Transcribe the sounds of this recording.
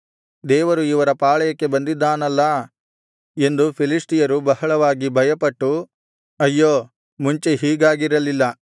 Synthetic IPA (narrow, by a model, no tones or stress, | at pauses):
d̪ɛːʋɐɾuiʋɐɾɐpaːɭɐjɐkːe̞bɐnd̪id̪ːaːnɐlːɐ | e̞nd̪upʰilisʈijɐɾubɐɦɐɭɐʋaːɡibʱɐjɐpɐʈːu | ɐjːoː | muɲt͡ʃeɦiːɡaːɡiɾɐlilːɐ